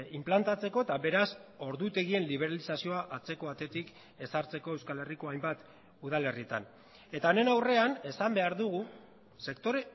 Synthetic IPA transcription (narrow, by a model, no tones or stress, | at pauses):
implant̪at͡se̞ko̞et̪aβe̞ɾaso̞ɾðut̪e̞ɣie̞nliβ̞e̞ɾalisasio̞aʔat͡se̞ko̞βat̪e̞t̪ik | e̞saɾt͡se̞ko̞ewskale̞riko̞ajmbat̪ | uðale̞riet̪a̰n | e̞t̪aone̞nawre̞ane̞sambe̞aɾðuɣu | se̞kt̪o̞ɾe̞